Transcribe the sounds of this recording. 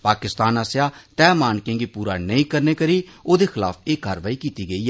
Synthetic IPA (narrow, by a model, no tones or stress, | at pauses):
paːkɪst̪aːnəsjaːt̪ɛːmaːnkẽːɡiːpuːɾaːnəĩːkəɾneːkəɾiːoːd̪eːxɪla̰ːfeːkaːɾʋaːiːkiːt̪iːɡəiːɛ